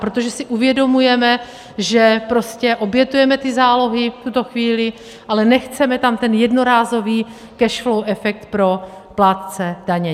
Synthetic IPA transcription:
pɾot̪oʒɛsɪʔuvjɛdo̞mujɛmɛ | ʒɛpɾo̞scɛʔo̞bjɛt̪ujɛmɛt̪ɪzaːlo̞ɦɪft̪ut̪o̞xviːlɪ | ʔalɛnɛxt͡sɛmɛt̪amt̪ɛnjɛdno̞ɾaːzo̞viː | kɛʃflowʔɛfɛk̚t̪pɾo̞plaːt̪t͡sɛdaɲɛ

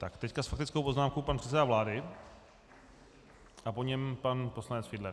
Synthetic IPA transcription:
t̪akt̪ɛckasfak̚t̪ɪt͡skowpo̞znaːmkowpanpr̥ɛt̪t͡sɛdavlaːdɪ | ʔapo̞ɲɛmpanpo̞slanɛt͡sfɪdlɛɾ

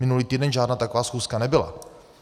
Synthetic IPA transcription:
mɪnuliːt̪iːdɛnʒaːdnaːt̪akovaːsxuːskanɛbɪla̰

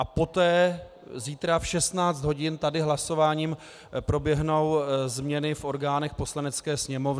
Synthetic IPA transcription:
ʔapo̞t̪ɛː | ziːt̪ɾafʃɛst̪naːt͡sd̪ɦo̞ɟɪnt̪adɪɦlaso̞vaːɲiːm | pɾo̞bjɛɦno̞wzmɲɛnɪfʔo̞ɾɡaːnɛxpo̞slanɛt͡skɛːsɲɛmo̞v

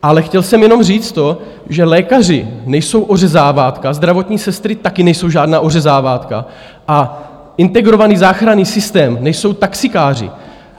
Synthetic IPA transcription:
ʔalɛxcɛlsɛmjɛno̞mriːt͡st̪o̞ | ʒɛlɛːkar̝ɪnɛjso̞wʔo̞rɛzaːvaːt̪kazd̪ɾavo̞t̪ɲiːsɛst̪ɾɪt̪akɪnɛjso̞wʒaːdnaːʔo̞r̝ɛzaːvaːt̪ka̰ | ʔa | ʔɪnt̪ɛɡɾo̞vaniːzaːxɾaniːsɪst̪ɛːmnɛjso̞wt̪aksɪkaːrɪ̰

